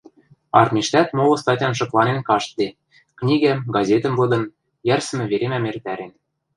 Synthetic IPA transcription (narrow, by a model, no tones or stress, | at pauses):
ɑ̰rmʲiʃt̪æt̪molɤ̆st̪ɑtʲjɑnʃɤ̆klˠɑnenkɑʃt̪̚d̪e | knʲiɡæmɡɑzʲet̪ɘ̆mvɤ̆d̪ɤ̆n | jærsɘ̆mɘ̆βeɾemæmert̪æɾen